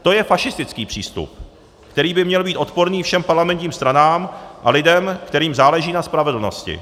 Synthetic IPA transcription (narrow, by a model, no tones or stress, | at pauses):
t̪o̞jɛfaʃɪst̪ɪt͡skiːpr̥ḭːst̪ṵp̚ | kt̪ɛɾiːbɪmɲɛlbiːt̪o̞t̪po̞ɾniːfʃɛmpaɾlamɛnt̪ɲiːmst̪ɾanaːmʔalɪdɛmkt̪ɛɾiːmzaːlɛʒiːnaspɾavɛdl̩no̞̰scɪ̰